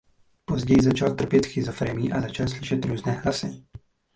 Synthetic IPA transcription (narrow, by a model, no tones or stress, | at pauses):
pɔzɟɛjzat͡ʃalt̪r̩pjɛt̪xizɔfɾɛmiːʔazat͡ʃalsliʃɛt̪ɾuːznɛːɦlasɛ